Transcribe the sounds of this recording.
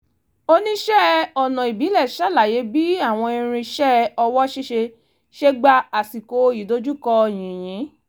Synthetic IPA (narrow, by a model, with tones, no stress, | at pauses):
o˦nĩ˦ʃɛ˦ɔ˨nɔ̃˨i˨bi˨˦lɛ˦˨ʃa˦˨la˨je˨˦bi˦a˦˨w̃ɔ̃˧i˧ɾ̃ĩ˧ʃɛ˦ɔ˧wɔ˦ʃe˦ʃe˧ | ʃe˦ɡ͡ba˧a˨si˨ko˨˦˧i˨do˦d͡ʒu˦kɔ˧j̃ĩ˨j̃ĩ˨˦